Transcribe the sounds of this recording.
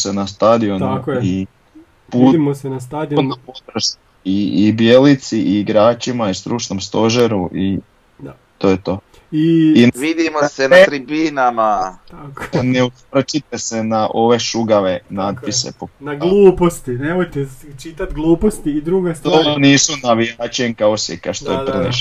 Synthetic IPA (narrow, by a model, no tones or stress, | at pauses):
osenast̪ad̪ionuaki | puːimosenast̪ad̪iopot̪ɾoʃ | iibijelit̪siʔiːɡɾaːt͡ʃimaist̪ɾut͡ʃno̞mst̪o̞ʒeɾuʔi | t̪ojet̪o̞ː | iiʋid̪imoasenat̪ɾibinamat̪akoneut̪ʋr̩t͡ʃit̪ese̞naʔo̞ʋe̞ʃuɡaʋe̞naːd̪̚pise̞̰ponaɡlˠuːpost̪inemojt̪et͡ʃit̪at̪ɡlˠuːpost̪iːd̪ɾuɡast̪oniːsunaʋiaːt͡ʃeŋkaosekaʃt̪o̰jepɾenḛʃ